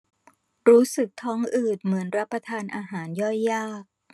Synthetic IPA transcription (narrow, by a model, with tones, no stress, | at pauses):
ɾuː˦˥sɯ˨˩k̚t̪ʰɔː˦˥ŋʔɯː˨˩t̪̚mɯ˩˦ənɾa˦˥pːɾa˧t̪ʰaː˧nʔaː˧ɦaː˩˦njɔ˥˩jːaː˥˩k̚